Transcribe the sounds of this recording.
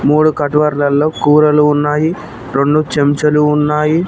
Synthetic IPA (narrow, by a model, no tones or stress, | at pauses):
muːɽukɐʈʋɐɾlɐlːoːkuːɾɐluːnːaːji | ɾoɳɖut͡ʃemt͡ʃɐluːnːaːji